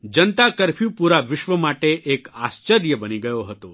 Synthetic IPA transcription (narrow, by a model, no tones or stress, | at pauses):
d͡ʒənt̪akəɾpʰjũpuɾaʋɪʃʋəmaʈeʔekast͡ʃəɾjəbəniɡəjoɦət̪o